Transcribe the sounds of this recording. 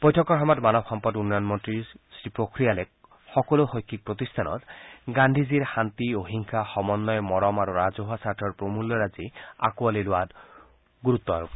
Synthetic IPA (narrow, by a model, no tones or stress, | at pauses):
pɔjtʰɔkɔɹɦɔmɔdmanɔb̚xɔmpɔdunːɔjɔnmɔntɹisɾipɾokɾijalek | xɔkɔloxɔjkʰːik̚pɾot̪ist̪ʰanɔ̰t̪ɡandʱiziɾxant̪ioɦiŋkʰaxɔmɔnːɔjmɔɾɔmaɾuɾazoɦasaɾʈʰɔɹpɾomulːɔɾazia̰kualelʊat | ɡuɾut̪ːɔa̰ɾup